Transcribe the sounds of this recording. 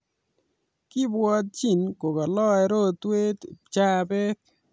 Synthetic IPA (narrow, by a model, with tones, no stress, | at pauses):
kɪ˦bwɔ˦t̪̚t͡ʃi˨nko˨ka˨lɔ˦ɛ˨ɾo˦t̪we˦t̪t͡ʃa˦˨bɛ˦k